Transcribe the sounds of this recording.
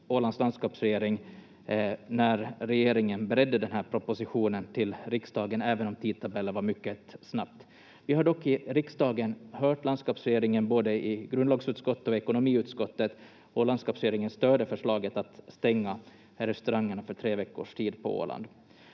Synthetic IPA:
oːland̪sland̪skɑːpsɾɛjeːɾɪŋ | næɾɾɛjeːɾɪŋənbɛɾɛd̪ːəd̪ɛnɦæɾpʰɾɔpʊsɪɧuːnənt̪ʰɪlɾɪksd̪ɑːɡənɛːvənɔmt̪ʰiːd̪̚t̪ʰabɛlːəvaɾmʏkːəsnap̚t̪ | vɪhaɖɔkːɪɾɪksd̪ɑːɡənɦœːʈland̪skɑːpsɾɛjeːɾɪŋənboːd̪əɪɡɾɵnlɑːɡsʉ̟ːt̪skɔt̪ːəɔɛkʊnʊmiːʉ̟ːt̪skɔt̪ːət̪ | ɔland̪skɑːpsɾɛjeːɾɪŋənst̪øːɖəfœʂɭɑːɡət̪at̪st̪ɛŋːa | ɾɛst̪ɵɾaŋːəɳafœʈʰɾeːvɛkːʊ̰ʂʈʰiːd̪pʰɔ̰o̰ːla̰nd̪

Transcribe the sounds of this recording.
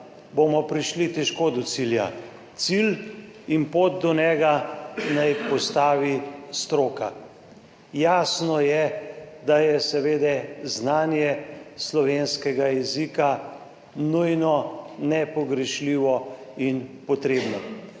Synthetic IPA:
bomɔpɾiʃlit̪ɛʃkoːd̪ɔsilja̰ | t̪sil | inpoːd̪̚d̪ɔnɛːɡanajpɔst̪aːʋist̪ɾoːka | jaːsnɔjɛ | d̪ajɛsɛʋeːd̪ɛznaːnjɛslɔʋenskɛɡajɛzika | nujnɔnɛpɔɡɾɛʃliːʋɔinpɔt̪ɾeːbnɔ

